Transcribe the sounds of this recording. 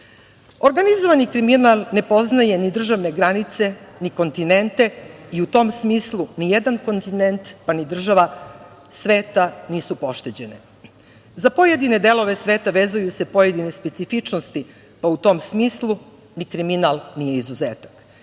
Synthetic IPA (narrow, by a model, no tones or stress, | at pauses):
o̞ɾɡanizo̞ʋanikɾiminalˠne̞po̞znaje̞nid̪r̩ʒaʋne̞ɡɾanit̪se̞niko̞nt̪ine̞nt̪e̞iut̪o̞msmiːslˠunijed̪anko̞nt̪inent̪panid̪r̩ʒaʋa | sʋeːt̪aniːsupo̞ʃt̪e̞d͡ʑe̞nḛ | zapo̞je̞d̪ine̞d̪e̞lˠo̞ʋe̞sʋe̞ːt̪aʋe̞ːzujuse̞po̞jed̪ine̞spe̞t̪sifit͡ʂnost̪i | paut̪o̞ːmsmiːslˠu | nikɾiminalˠnije̞izuzeːt̪ḁk